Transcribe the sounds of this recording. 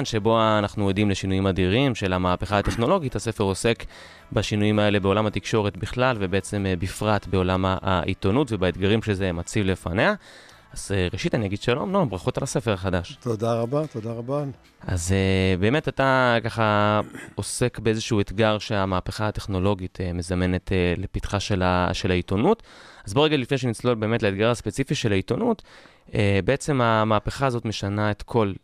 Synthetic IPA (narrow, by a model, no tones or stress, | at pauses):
nʃe̞bo̞naχnuod̪imle̞ʃinujimad̪iʁimʃe̞lamaːpe̞χaːte̞χno̞lo̞ɡithase̞fe̞ʁose̞k | baʃinujimae̞le̞beo̞lamat̪ikʃo̞ʁet̪biχlalve̞beet͡se̞mbifʁat̪be̞o̞lamaa̰ʔḭt̪onutve̞baet̪ɡaʁimʃeze̞mat͡sivlefane̞a | azʁeʃitaniaɡid̪ʃalo̞̰mlobʁaχotalase̞feʁaχad̪aʃt̪od̪aʁabat̪od̪aʁabal | azebe̞ːme̞tatakaχa | ose̞kbe̞ezeʃuuetɡaʁʃeamaːpeχaːte̞χno̞lo̞ɡitʰeme̞zame̞netʰelepit̪χaʃelaʃe̞laito̞nutazboʁeɡalifne̞ʃ̬enit͡slolbe̞ːme̞tlaet̪ɡaʁaspet͡sifiʃe̞laito̞nut | ebeet͡se̞mamaːpe̞χaːzo̞tmeʃanaet̪kʰo̞l